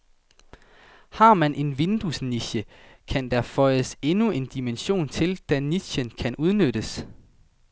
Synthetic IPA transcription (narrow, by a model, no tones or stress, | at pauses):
hɑ̈mænʔe̝nʋe̝nd̥usniɕə | kʰænd̥æɐfɒ̽ɪəse̝nue̝nd̥imenɕo̝̰ːnt͡sʰe̝ld̥æni̥ɕənkʰænuð̞ˠnød̥əs